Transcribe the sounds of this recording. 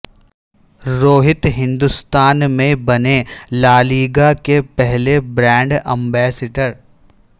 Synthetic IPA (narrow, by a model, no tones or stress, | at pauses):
ɾoːɦɪt̪ɦɪ̃nd̪ʊst̪aːnmẽbɐnelaːliːɡakepɛɦlebɾɛ̃ːɳɖɛ̃mbɛːseːʈəɾ